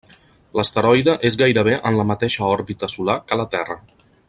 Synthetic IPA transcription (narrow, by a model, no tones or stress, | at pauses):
ləst̪əɾɔjðəʔezɣajɾəβ̞eʔənləmət̪eʃəɔɾβit̪əsulakələt̪ɛrə